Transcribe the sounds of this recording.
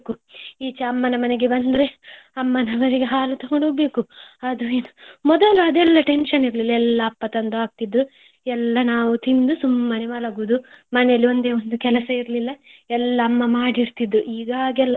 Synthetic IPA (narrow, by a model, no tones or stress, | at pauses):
kuiːt͡ʃɐɐmːɐnɐmɐneɡebɐnd̪ɾe̞ | ɐmːɐnɐmɐneɡeɦaːlut̪ɐɡoɳɖobe̞ːkuɐd̪ueːnumɔd̪ɐluɐd̪ɛlːɐʈenʃɐniɾlilːɐɛlːɐːpːɐt̪ɐnd̪uaːɡ̚t̪id̪ːu | ɛlːɐnaːʋut̪ind̪usumːɐneʋaːlɐɡuːd̪umɐnɛjɐlːio̞nd̪eːond̪ukɛlɐsɐiɾlilːɐɛlːɐːmːɐmaːɽiɾt̪id̪ːuʔiːɡaːɡɛlːɐ